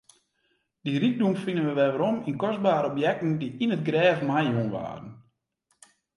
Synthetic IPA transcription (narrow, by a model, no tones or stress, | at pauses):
d̥irik̚dumfinənʋəʋɛʋəɾɔminkɔs̚baːɾəɔpjɛk̚tn̩diinətɡrɛːvmajunʋa̰ːrən̩